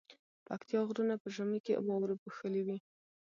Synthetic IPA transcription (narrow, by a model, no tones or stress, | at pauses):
pakt̪jɑɣɾunapəʒamikewɑwɾepuxəliwi